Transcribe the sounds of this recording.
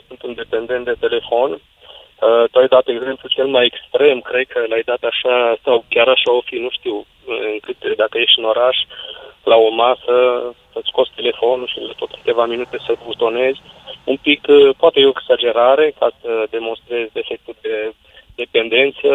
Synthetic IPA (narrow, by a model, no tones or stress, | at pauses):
sɨnt̪ɨnd̪e̞pe̞nd̪e̞nt̪̚d̪et̪e̞le̞fo̞n | ət̪uajd̪at̪eɡze̞mplut͡ʃe̞lmaje̞kst̪ɾe̞mkɾe̞d̪kʰəlajd̪at̪aʃasawkʲjaɾaʃaofinuʃt̪iw | ɨŋkɨt̪d̪akəje̞ʃt̪ɨno̞ɾaʃlao̞masəsət̪sko̞sʲt̪e̞le̞fo̞nuʃilat̪o̞t̪kɨ̥t̪e̞vaminut̪e̞səbut̪o̞ne̞zʲumpikpoat̪ejeoeɡz̥ad͡ʒe̞ɾaɾe̞kasəd̪e̞mo̞nst̪ɾe̞zʲd̪e̞fe̞k̚t̪ud̪e̞ | d̪e̞pe̞nd̪e̞nt̪sə